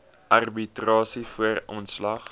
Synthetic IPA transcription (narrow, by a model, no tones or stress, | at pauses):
ʔɐrbitrɑːsifuərɔnslɐχ